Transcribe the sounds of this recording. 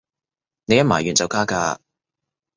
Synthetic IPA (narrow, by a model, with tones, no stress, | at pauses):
ne˨˧jɐ˥maː˨˩jyː˨˩nt͡sɐ˨˧wkaː˥kaː˧